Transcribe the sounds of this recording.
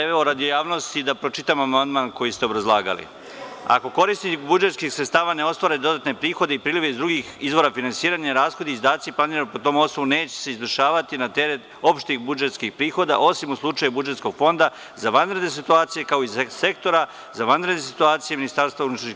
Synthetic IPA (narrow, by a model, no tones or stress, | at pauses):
eeoɾad̪io̞jaːʋno̞st̪id̪apɾo̞t͡ʃit̪amoamand̪manko̞jist̪eobɾazlˠaːɡa̰lḭ | a̰ko̞ko̞ɾisibud͡ʒe̞t̪skixsɾet̪st̪aːʋane̞o̞st̪ʋaːɾed̪o̞d̪at̪ne̞pɾiːxo̞d̪eipɾiːliʋe̞izd̪ɾuɡixizʋo̞ɾafinansiːɾaːɲaɾaːsxo̞d̪iizd̪aːt̪siplˠaniːɾanpot̪o̞mo̞sno̞ʋune̞ːt͡ɕe̥se̞izʋərʃaːʋat̪inat̪e̞ɾet̪o̞pʃt̪ixbud͡ʒe̞t̪skixpɾiːxo̞d̪a̰ʔo̞simuslˠut͡ʃajubud͡ʒe̞t̪sko̞ɡfo̞nd̪a | zaʋanɾe̞d̪ne̞s̬it̪uaːt̪sije̞kao̞izse̞k̚t̪o̞ɾa | zaʋanɾed̪ne̞sit̪uaːt̪sijeminist̪aɾst̪vaunut̪ɾa